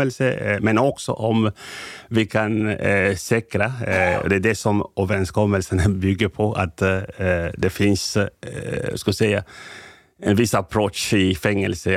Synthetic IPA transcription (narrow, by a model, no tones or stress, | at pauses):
əlsəmɛnɔksɔ̰ʔɔm | vɪkʰansɛkɾaɔ̰d̪ɛæɖɛsɔmoːvəɾɛnskʰɔmːəlsənəbʏɡəɾpʰɔʔa̰t̪ | d̪ɛfɪns | skɑsɛjːa | ɛnʋɪsapʰɾoɪfɛŋːəlsə